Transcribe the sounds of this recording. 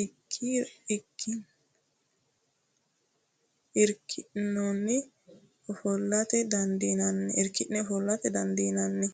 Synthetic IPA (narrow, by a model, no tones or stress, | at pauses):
ɪkʰːiɪkʰːɪ | ɪɾkʰːɪnɔnːɛ | ɔfɔlːɐt̪ɛd̪ɐnd̪inɐnːɛɪɾkːɪnɛɔfɔlːɐt̪ɛd̪ɐnd̪inɐnːɛ